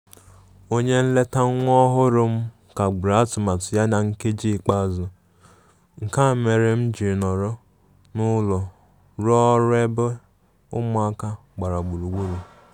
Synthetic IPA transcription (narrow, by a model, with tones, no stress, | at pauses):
o˦ɲe˦n̩˦le˦ta˦ŋʷ˦ɔ˦ɦʊ˦ɾʊ˨m̩˦ | ka˨ɡ͡bʊ˨ɾa˨˦tʊ˨ma˨tʊ˨ja˦na˨ŋ̩˦ke˦d͡ʒi˦˨k͡pa˦˨zʊ˨ | ŋ̩˨ka˦˨me˨ɾe˦m̩˦d͡ʒi˨ɾnɔ˨ɾɔ˦ | nʊ˦lɔ˨ | ɾɔ˦ɾe˦bʊ˦ | ʊ˦mʊ˦a˦ka˦ | ɡ͡ba˨ɾa˨ɡ͡bu˨ɾu˨ɡu˦ɾu˨